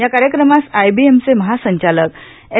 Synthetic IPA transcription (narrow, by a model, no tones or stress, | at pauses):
jakaɾjəkɾəmasajbiemt͡seməɦasə̃ɲt͡ɕalək | e